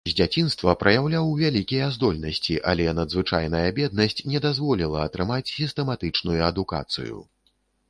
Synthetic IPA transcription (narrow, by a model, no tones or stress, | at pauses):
zʲd͡zʲat͡sʲin̪st̪vɐpɾʔɐjawlʲawvʲalʲikʲijɐzd̪ɔlʲnɐsʲt͡sʲiʔɐ̰lʲɛnɐd̪zvɨt͡ʂa̰jnɐjɐbʲɛd̪̚nɐsʲt͡sʲnʲɛd̪azvɔlʲilˠɐɐt̪ɾɨmat͡sʲsʲist̪ɛmat̪ɨt͡ʂnujuɐd̪uka̰t̪sɨ̰jṵ